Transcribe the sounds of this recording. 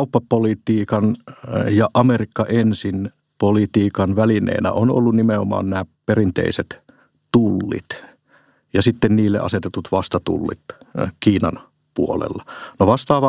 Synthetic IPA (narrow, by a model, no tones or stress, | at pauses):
upːɑpolit̪iːkɑnjɑʔɑmerikːɑʔensin | polit̪iːkɑnʋælinḛːnæ̰ʔono̰lːunnimeomɑ̰ːnnæːperint̪ḛiset̪ | t̪ulːḭt̪ | jɑsit̪ːenniːlːḛʔɑ̰set̪et̪ut̪ʋɑst̪ɑt̪ṵlːḭt̪kiːnɑ̰n | puolḛlːɑnoʋɑst̪ɑːʋɑ